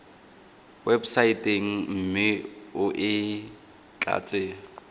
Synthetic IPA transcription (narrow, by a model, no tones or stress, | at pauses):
websaitʼeŋ̩m̩mɪʊʔɪ | t͡ɬʼa̰ːt͡sʼeː